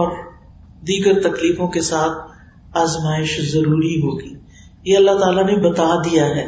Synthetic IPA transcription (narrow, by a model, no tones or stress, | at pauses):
ɔːɾ | d̪iːɡəɾt̪ɐkliːfõkesaːt̪ʰ | aːzmaːɪʃzɐɾuːɾiɦoːɡiː | jeɐlːat̪aːlanebɐt̪ad̪ijaɦɛː